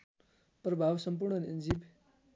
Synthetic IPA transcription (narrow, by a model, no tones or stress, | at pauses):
prʌbʱawsʌmp̬urɳʌnind͡zib